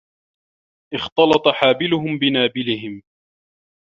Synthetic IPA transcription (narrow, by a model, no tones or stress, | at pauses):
ʔɪxt̪ɑlɑt̪ˤɑħaːbɪlʊɦʊmbɪnaːbɪlɪhɪm